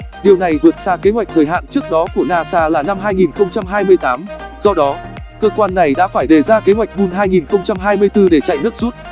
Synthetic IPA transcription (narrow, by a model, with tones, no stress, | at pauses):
ɗi˨˩əwna˨˩jvɨ˨˩ət̚saː˧ke˨˦ɦwa˨˩jk̟̚t̪ʰəː˨˩jɦa̰ː˧˨nt͡ɕɨ˦˥ək̚ɗɔ˨˦ku˧˩ənaː˧saː˧laː˨˩na˧mɦaː˧jŋi˨˩nxə˧wŋ͡mt͡ɕa˧mɦaː˧jmɨ˧əjt̪aː˨˦mzɔ˧ɗɔ˨˦kəː˧kwaː˧nːa˨˩jɗa̰ː˧˥faː˧˩jɗe˨˩zaː˧ke˨˦ɦwa˨˩jk̚ɗu˧nɦaː˧jŋi˨˩nxə˧wŋ͡mt͡ɕa˧mɦaː˧jmɨ˧əjt̪ɨ˧ɗe˧˩t͡ɕa̰˧˨jnɨ˦˥ək̚zu˦˥t̚